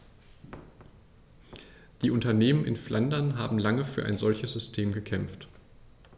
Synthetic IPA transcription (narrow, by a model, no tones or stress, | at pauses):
d̥iːʔʊntɐneːmənɪ̰nflʔandɐnɦa̰ːbm̩laŋəfyːɐʔa̰ɪnzɔlçəsz̥ʏstʰeːmɡəkʰɛmft